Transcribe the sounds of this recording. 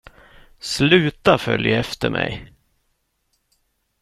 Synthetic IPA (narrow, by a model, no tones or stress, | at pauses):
slʉ̟ːt̪afœljaɛft̪əɾmʔɛ̰j